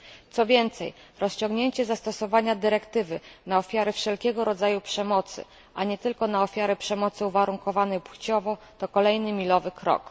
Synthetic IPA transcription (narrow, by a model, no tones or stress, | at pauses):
t̪sɔvʲjɛnt̪sɛ̰j | ɾɔst͡ɕɔ̃ŋɡɲeɲt͡ɕɛzast̪ɔsɔvaɲad̪ɘɾɛkt̪ɘvɘnaɔfʲjaɾɛfʂɛlkʲɛɡɔɾɔd̪zajupʂɛmɔt̪sɘ̰ | ʔaɲɛt̪ɘlkɔnaɔfʲjaɾɛpʂɛmɔt̪sɘuvaɾuŋkɔvanɛjpwt͡ɕɔvɔ | t̪ɔkɔlɛjnɘmʲilɔvɘkɾɔ̰k